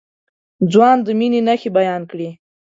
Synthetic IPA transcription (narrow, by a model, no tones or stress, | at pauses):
d͡zwɑnd̪əminenaxebajɑnkɽi